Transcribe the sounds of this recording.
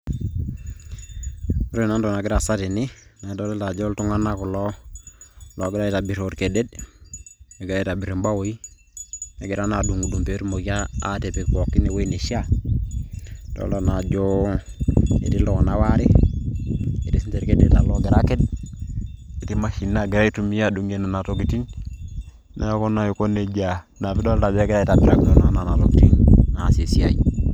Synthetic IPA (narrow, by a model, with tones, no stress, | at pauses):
ɾo˦˨na˦ndo˨na˨ɡɪ˦ɾa˨sa˦ti˨ni˦na˨˦do˦le˦lta˨d͡ʒo˦ltu˦ŋa˦na˦ku˨lo˦ | lo˨ɡɪ˦ɾa˦i˦ta˨bi˨ɾoɾke˨de˦d | a˨ɡi˦ɾa˦ta˨bi˨ɾi˨mba˦wo˨i | na˨ɡi˨ɾa˦na˨du˨ŋɡu˨du˨mpe˨ɾmo˨ɡaː˦te˨pi˨kko˨kːi˦ne˨wo˦ine˨ʃi˦a | d̥o̰˦lta˨na˨ɟo˦ | e˨ti˦lo˨nawaɾe˦ | e˨ti˦si˦nte˨ɾke˦dḛ˨ta˨lo˦ɡe˨ɾa˦ke˦d̚ | e˨ti˦ma˦ʃi˨nːa˦ɡe˨ɾa˦i˦tu˦mi˦ja˦duŋe˦na˨na˨toki˨ti˦ɲ | nʔa̰˨jo˦ko˦na˨jo˨ko˦nːe˨ɟa | na˨fi˦do˦lta˨ba˦ɡe˦ɾa˦i˨ta˨biɾa˦kdo˦na˨na˨na˨lokiti˦nna˨se˨si˦a̰˦i